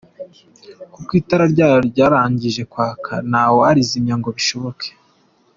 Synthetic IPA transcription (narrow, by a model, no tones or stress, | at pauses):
kukwiːtaɾaɾɟaːjoɾɟaːɾaːɲɟiʒe̞kwaːkʰa̰naːwoaɾizimɲaŋɡo̞βiʃo̞βo̞kʰe̥